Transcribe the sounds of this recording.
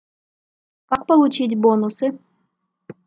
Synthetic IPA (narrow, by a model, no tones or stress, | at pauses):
kɑk̚pəlˠut͡ɕit̬ʲbonusɨ